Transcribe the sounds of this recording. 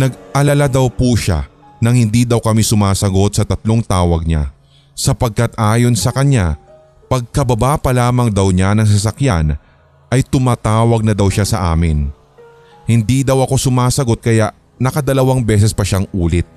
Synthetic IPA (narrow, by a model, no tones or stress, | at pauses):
nɐɡʔɐlɐlad̪ɐwpuʃa̰ | nɐŋhɪnd̪iːd̪ɐwkɐmisʊmaːsɐɡo̞t̪̚sɐt̪ɐt̪lo̞ŋt̪aːwɐɡ̚ɲa̰ | sɐpɐɡ̚kat̪ʔaːjo̞nsɐkɐɲa | pɐɡ̚kɐbɐbapɐlaːmɐŋd̪ɐwɲanɐŋs̬ɐs̬ɐkjan | ʔɐjt̪ʊmaːt̪aːwɐɡ̚nɐd̪ɐwʃasɐʔa̰ːmɪn | hɪnd̪id̪ɐwʔɐko̞sʊmaːsɐɡo̞t̪̚kɐjaʔ | nɐkɐd̪ɐlɐwaŋbɛːs̬ɛspɐʃaŋʔuːlɪt̪̚